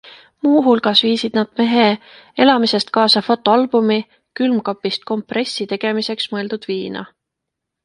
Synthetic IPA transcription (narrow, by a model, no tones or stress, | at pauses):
muːɦulɡ̥ɑsviːsid̪̥nɑd̪̥me̞ɦe | e̞lɑmise̞st̪̚kɑːsɑfo̞t̪ˑːoɑlb̥umi | kylmkɑpːˑist̪̚ko̞mpre̞sʲːit̪e̞ɡ̥e̞mise̞ksmɤe̞ld̪̥ud̪̥viːnɑ̰